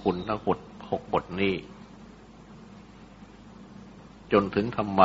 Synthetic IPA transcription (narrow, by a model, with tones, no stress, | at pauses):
kʰu˧nt̪ʰa˧˥˩bo˨˩t̪̚ho˨˩k̚bo˨˩t̪̚niː˥˩ | t͡ɕo˧nt̪ʰɯ˩˦ŋt̪ʰa˧mːa